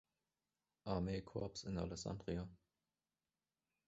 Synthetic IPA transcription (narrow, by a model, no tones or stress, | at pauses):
ʔaɐmeːkʰɔɐpsɪna̰lɛksa̰ndʁia